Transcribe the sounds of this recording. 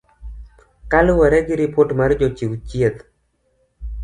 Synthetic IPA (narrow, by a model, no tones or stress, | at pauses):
kalʊwɛɾɛɡɪɾɪpoʈmard͡ʒɔt͡ʃiwt͡ʃjet̪